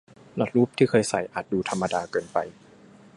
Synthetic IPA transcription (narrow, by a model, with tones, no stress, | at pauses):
na˦˥t̪̚ɾuː˦˥˩p̚t̪ʰiː˥˩kʰɤː˧jsa̰˨˩˦jʔaː˨˩t̪̚duː˧t̪ʰa˧mːa˧daː˧kɤː˧npa˧j